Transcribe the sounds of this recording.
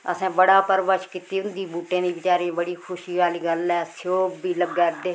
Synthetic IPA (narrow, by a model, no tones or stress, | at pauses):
əsãːbəɽaːpəɾʋəʃkɪt̪iːʊnd̪iːbuːʈẽːd̪iːbɪt͡ʃaːɾiːbəɽiːkʰʊʃiːʋaːliːɡəlɛːsoːbiːləɡɛːd̪eː